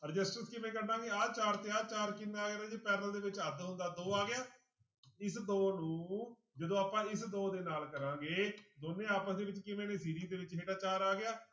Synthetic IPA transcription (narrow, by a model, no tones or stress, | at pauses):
ɾɪd͡ʒəsʈəskɪʋẽːk̬əɾnãːɡeːaːt͡ʃaːɾt̪ːaːt͡ʃaːɾkɪnːeaːɡeɾãːd͡ʒeːpɛːɾəld̪eːʋɪt͡ʃəd̪ɦʊ̃nd̪aːd̪oːaːɡɪjaː | ɪsd̪oːnũː | d͡ʒəd̪õːaːpãːɪsd̪oːd̪eːnaːlkəɾãːŋɡeːd̪oːnːẽːaːpə̃d̪eːʋɪt͡ʃkɪʋẽːneːsiːɾiːd̪eːʋɪt͡ʃɦeːʈaːt͡ʃaːɾaːɡɪaː